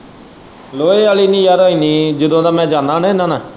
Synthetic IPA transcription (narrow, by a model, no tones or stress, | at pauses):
loːeːaːliːnĩːjaːɾoːiːniːd͡ʒəd̪õːd̪aːmɛ̃ːd͡ʒaːnãːnẽːnãːnaː